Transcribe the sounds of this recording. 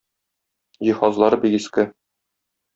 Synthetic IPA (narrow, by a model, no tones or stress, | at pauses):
jihɒzlˠɑɾɤbiɡiskɘ